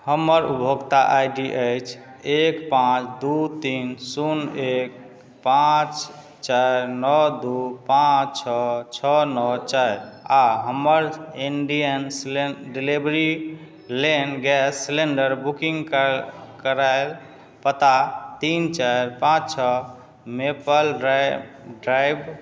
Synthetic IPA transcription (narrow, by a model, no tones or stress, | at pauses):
həməɾṵbʱəɡt̪aʔajɖiʔəjt͡ʃʰ | ekpãt͡ʃʰd̪ut̪insunek̚ | pãt͡ʃ | t͡ʃajɾnɔd̪upãt͡ʃt͡ʃʰɔt͡ʃʰɔnɔt͡ʃajɾaɦəməɾinɖijənslɖilibɾi | lenɡɛsːleɳɖəɾbukiŋɡkkəɾaɪl | pət̪at̪int͡ʃaɾpãt͡ʃt͡ʃʰɔ | mepəl | ɖɾajb